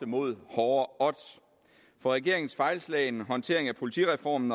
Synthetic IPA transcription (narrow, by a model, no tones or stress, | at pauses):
əmo̝ð̰ˠhɒːɐɒ̽d̥ | fɒ̽ʁɛɡ̥e̝̰ɐ̰e̝ŋn̩sfɑ̈ɪlslɛ̰ɪnɦɒ̽nt͡sʰe̝ɐe̝ŋæpʰo̝lit͡sʰḭʁɛfɒ̰ːmn̩